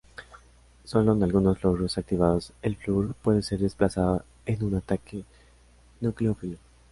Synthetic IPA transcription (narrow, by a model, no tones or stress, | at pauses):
so̞lo̞enalɣuno̞zlo̞ɣɾo̞sak̚t̪iβað̞o̞se̞lfluɾpwe̞ðe̞se̞ɾðe̞splasaðo | e̞nunat̪ake̞ | nukleofilo